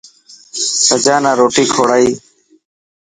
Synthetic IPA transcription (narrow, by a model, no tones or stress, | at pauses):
səd͡ʒaːnãːɾoːʈiːkʰoːɽaːiː